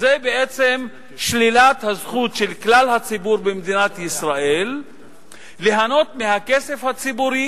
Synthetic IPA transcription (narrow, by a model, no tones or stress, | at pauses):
zebeʔet͡sem | ʃlilat̪hazχut̪ʃelklalhat͡sibuɾbemd̪inat̪jisʁaʔe̞lː | eɦano̞t̪mehakese̞fhat͡sibuɾi